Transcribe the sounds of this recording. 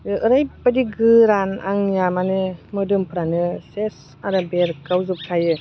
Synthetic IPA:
ɯɯɾajpadiɡɯɾana̰ŋjamanɯmɯdɯmpʰɯɾanɯses | aɾabeɾkawzup̚kʰajɯ

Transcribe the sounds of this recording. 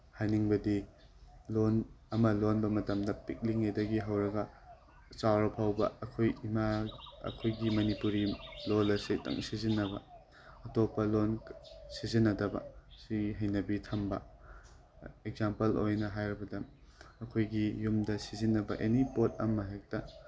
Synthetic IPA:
hajniŋbɐdi | lon | ɐmɐlonbɐmɐtɐmdɐpik̚liŋejdɐɡiɦɐwɾɐɡɐ | t͡ʃawɾɐpʰawbɐ̰ːkʰojimaɐ̰kʰojɡimɐnipuɾilolɐsetʰɐ̰ŋsizinːɐbɐ̰ | ɐtopːɐlonsizinːɐdɐbɐ̰siɦɐjnɐbitʰɐmbɐ̰ | ek̚zampɐlojnɐɦajɾɐbɐdɐ | ɐkʰojɡijumdɐsizinːɐbɐ̰ʔenipot̚ɐmɐɦek̚tɐ

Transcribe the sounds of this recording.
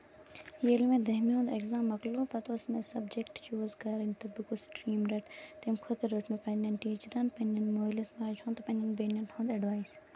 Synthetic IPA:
jeːlmẽd̪ɐɦmõːnd̪ekzãːmːɐkluːpɐt̪oːsmesɐbd͡ʒekʈt͡ʃuːzɡɐɾɐnt̪ɐbukusʈɾiːmɾɐʈt̪emkʰʊt̪ɐɾoʈmepɐnʲɐnʈiːt͡ʃɐɾɐnpɐnɐnmoːjlɐsmaːd͡ʒhõnt̪ɐpɐnɐnbenʲɐnʈhõːnd̪ɐɖʋaːjs

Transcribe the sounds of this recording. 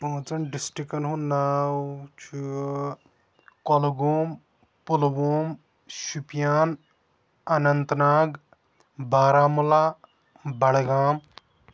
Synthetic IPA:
oːt͡sɐnɖisʈikɐnɦũnaːwt͡ʃʰu | kɔlɡuːm | pulboːm | ʃupjaːn | ɐnɐnt̪naːɡ | baːɾaːmulaː | bɐɽɡaːm

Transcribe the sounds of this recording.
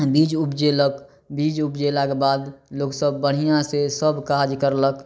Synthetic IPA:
biːd͡ʒubd͡ʒelək | biːd͡ʒʊbd͡ʒelakbaːd̪loːksəbːəɽ̤̃ijãsesəbkaːd͡ʒkəɾlək

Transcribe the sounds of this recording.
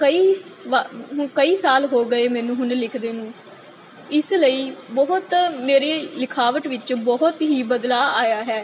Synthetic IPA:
kəiːʋaɦkəiːsaːlɦoːɡəeːmɛ̃ːnũːɦʊnlɪkʰd̪eːnũː | ɪsləiːbɔɦʊt̪meːɾeːlɪkʰaːʋəʈʋɪt͡ʃbɔɦʊt̪ɦiːbəd̪laːaːjaːɦɛː

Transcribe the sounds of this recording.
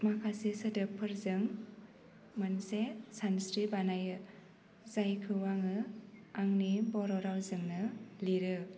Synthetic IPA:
makʰasisɯdɯpʰɯɾzɯŋ | mɯnsesansɾibanajɯ | zajkʰɯwaŋɯaŋnibɔɾɔɾawzɯŋnɯliɾɯ

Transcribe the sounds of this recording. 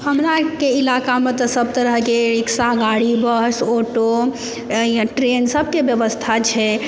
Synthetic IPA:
ɦəmɾakeilakamet̪ɔsəb̚t̪əɾəɦkeɾiksaɡaɽibəɦsoʈo | ʈɾensəbʱkebjəʋəst̪ʰat͡ʃʰɛ

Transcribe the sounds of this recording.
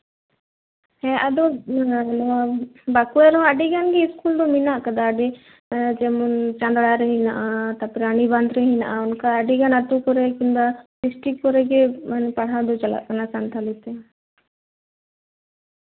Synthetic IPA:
ɦɛ̃ʔad̪ɔ | bakuɛɾɔ̃aɖiɡanɡiːskuld̪ɔminaʔkəd̪aːɖi | d͡ʒɛmɔnt͡ʃãnd̪ɽaɾɛɦinaʔat̪apɾaniband̪ɾɛɦinaʔaunkaːɖiɡanat̪ukɔɾɛkind̪abisʈikːɔɾɛɡɛmanpaɽ̤ad̪ɔt͡ʃɐla̰ʔkanasant̪ʰalit̪ɛ

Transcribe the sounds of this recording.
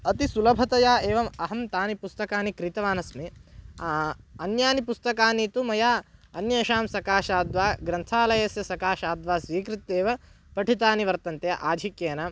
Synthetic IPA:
ɐt̪isulɐbʱɐt̪ɐjaːʔeːʋɐmɐɦɐmt̪aːnipust̪ɐkaːnikɾit̪ɐʋaːnɐsme | ɐnjaːnipust̪ɐkaːniːt̪umɐjaːɐnjɐːʃaːmsɐkaːʃaːd̪ʋaːɡɾɐnt̪ʰaːlɐjɐsjɐsɐkaːʃaːd̪ʋaːsʋiːkɾit̪ːeːʋɐ | pɐʈʰit̪aːniʋɐɾt̪ɐnt̪jɐʔaːd͡ʒ̪ʱikjeːnɐ

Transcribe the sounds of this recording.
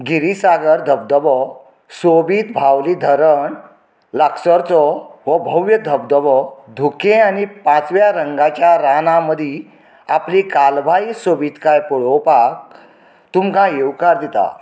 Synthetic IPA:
ɡiɾisaɡəɾd̪ʱəb̚d̪əbɔ | sobiːt̪bʱawlid̪ʱəɾəɳ | ləksəɾt͡sɔʋəbʱəʋjəd̪ʱəb̚d̪əʋɔd̪ʱukẽañipãt͡sʋjaɾəŋɡat͡ɕjaɾanaməd̪ʱi | aplikalbʱaisobiːt̪kajpɔɽowpak̚ | t̪umkãjewkaɾd̪it̪a̰

